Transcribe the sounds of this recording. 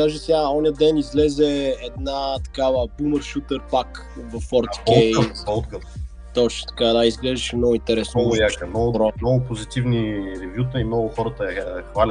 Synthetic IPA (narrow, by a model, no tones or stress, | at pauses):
aʒɛsɛɡaɔniəd̪ɛnizlɛzɛːd̪nat̪ɐ̥kavəbuməɾʃut̪əɾpak | vɐfɔɾt̪kɛot̪kə | t̪ɔt͡ʃnʊ̥t̪ɐ̥kad̪aizɡlɛʒd̪əʃɛmnɔɡʊint̪ɛɾɛsnoɔɡʊjakəmnɔɡbɾɔnɔɡʊpozit̪ivniɾɛvjut̪əimnɔɡʊxɔɾət̪əxvalʲt̪